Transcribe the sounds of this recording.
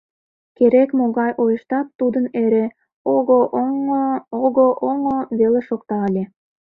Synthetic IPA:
keɾekmoɣɑjʔojəʃt̪ɑt̪ːud̪əneɾe | oɣoʔ | oɣoʔoŋoβeleʃokt̪ɑːlʲe

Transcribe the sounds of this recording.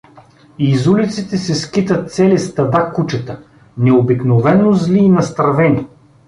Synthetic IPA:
izulʲit̪sit̪ɛsɛskit̪ət̪̚t̪sɛlist̪ɐd̪akut͡ʃɛt̪ə | nɛobiknovɛnozlʲiːnɐst̪ɾɐvɛnʲi

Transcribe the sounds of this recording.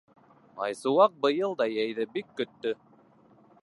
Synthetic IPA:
ɑ̰jsuwɑq̚bɤ̆jɤlˠd̪ɑjæjðɘbikːɵ̆t̪ːɵ

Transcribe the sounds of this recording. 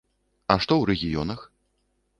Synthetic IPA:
ɐʂt̪ɔwɾɛɣʲijɔnɐx

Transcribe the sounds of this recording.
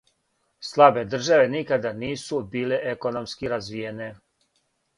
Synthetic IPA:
slˠabe̞d̪r̩ʒaʋe̞nikad̪aniːsubiːleʔeko̞nomskiɾazʋijene

